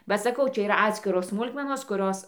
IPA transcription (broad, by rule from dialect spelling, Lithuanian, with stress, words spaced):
bɐ sɐˈkɐʊ ˈt͡ʃʲɛ iːˈrɐ ˈɑːtʲsʲkʲɪroːs ˈsmʊlˠkmʲɛnoːs kʊˈrʲoːs